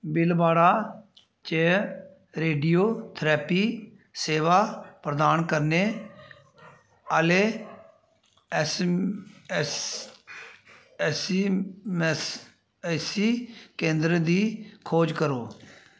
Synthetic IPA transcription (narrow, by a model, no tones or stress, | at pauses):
bɪlbaːɽaː | t͡ʃeː | ɾeːɖijoːt̪ʰɾɛːpiː | seːʋaːpɾəd̪aːnkəɾneː | əleː | s | ms | siːkẽːnd̪ɾd̪iːkʰoːd͡ʒkəɾoː